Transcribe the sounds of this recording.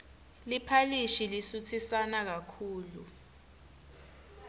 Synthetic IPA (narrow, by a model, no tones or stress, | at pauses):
lipʰaliʃilisut͡sʰisanak̬akʰuːlu